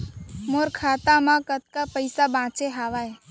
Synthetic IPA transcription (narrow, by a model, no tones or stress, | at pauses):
moːɾkʰaːt̪ãmãkət̪̚kapəɪsabãːt͡ʃeɦaːʋaːe